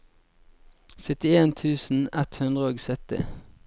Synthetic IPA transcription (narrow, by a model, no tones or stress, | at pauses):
sœt̪ɪeːnt̪ʰʉːsn̩ɛt̪hʉnd̪ʁəoːɡsœt̪ɪ̰